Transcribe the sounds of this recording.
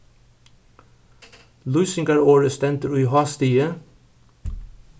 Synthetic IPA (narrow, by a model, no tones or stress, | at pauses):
lʉʏsɪŋɡɑɹoːɹəst̪ɛnt̪əɾʉʏhɑːst̪iːə